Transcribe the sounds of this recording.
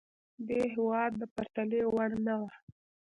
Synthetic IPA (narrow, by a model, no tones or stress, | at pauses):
d̪eɦɪwɑd̪̚ːəpaɾt̪alewaɽnawa